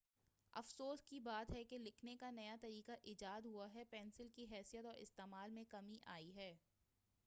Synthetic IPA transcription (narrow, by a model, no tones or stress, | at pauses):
ɐ̰fsoːskibaːt̪ɦɛkelɪkʰnekanɐjat̪ɐɾiːkaʔiːd͡ʒaːd̪ɦuaɦɛpɛːnsɪlkiɦɛːsijət̪ɔːɾʔɪ̰st̪eːmaːlmẽkɐmiʔa̰ːiɦɛː